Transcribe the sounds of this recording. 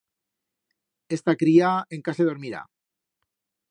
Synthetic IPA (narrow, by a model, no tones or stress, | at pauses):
est̪akɾiaeŋkaseð̞oɾmiɾa̰